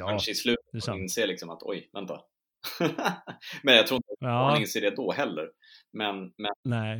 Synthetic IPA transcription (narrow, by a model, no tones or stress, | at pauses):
anʂəɪslʉ̟ːt̪ət̪ɪnseːlɪksɔmat̪ʰɔ̰jvɛnt̪a̰ | mɛnjɑkt̪ʰɾuːɪnt̪anɪnseːɖɛd̪ɔɦɛlːə̰ɾ | mɛnmɛnɛ